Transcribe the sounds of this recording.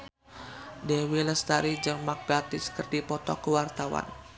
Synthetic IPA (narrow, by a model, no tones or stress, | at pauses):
dɛwiləst̪aɾid͡ʒəŋmak̚ɡat̪ɪskərdipɔt̪ɔkəwart̪awa̰n